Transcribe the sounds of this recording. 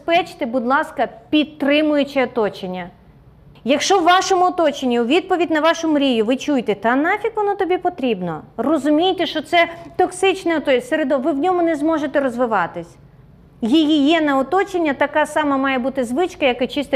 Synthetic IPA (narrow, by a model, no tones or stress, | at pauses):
pɛt͡ʃt̪ɪbʊd̪lˠɑskɐpʲid̪t̪ːɾɪmʊjʊt͡ʃɪɔt̪ɔt͡ʃenʲːɐ | jɐkʃt͡ʃɔwːɑʃɔmʊɔt̪ɔt͡ʃenʲːiʊʋʲid̪̚pɔʋʲidʲnɐʋɑʃɔmʊɾʲijʊʋɪt͡ʃujt̪ɛt̪ɐnɑfʲikʋɔnɔt̪ɔbʲipɔt̪ɾʲibnɔrɔzʊmʲijt̪ɛʃt͡ʃɔt̪sɛt̪ɔksɪt͡ʃnɛɔt̪ɔseɾed̪ɔʋɪwnʲɔmʊnɛzmɔʒet̪ɛɾɔzʋɪʋɑt̪ɪsʲ | jijijɛnɐɔt̪ɔt͡ʃenʲːɐt̪ɐkɑsɑmɐmɑjɛbut̪ɪzʋɪt͡ʃkɐjɐkɪt͡ʃɪst̪